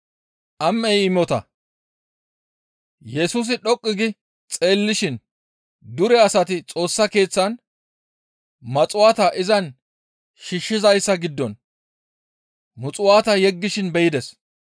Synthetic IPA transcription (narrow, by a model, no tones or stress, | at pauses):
ʔɐmːɛjɪmɔt̪ɐ̰ | jɛsuːs̬ɪɗɔkʼːɪɡɪ | t͡sʼe̞ːlːɪʃɪn | d̪ʊɾɛɐsɐt̪ɪt͡sʼo̞ːsːɐke̞ːt͡sːɐn | mɐt͡sʼʊwaːt̪ɐʔɪzɐn | ʃiʃːɪzɐjsːɐɡɪd̪ːɔn | mʊt͡sʼʊwaːt̪ɐjɛɡːɪʃɪnbɛjɪd̪ɛs